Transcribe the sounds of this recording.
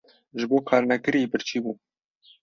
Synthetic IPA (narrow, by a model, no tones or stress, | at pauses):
ʒɨboːkʰɑːɾnɛɡɨɾibɨɾt͡ʃʰiːbuː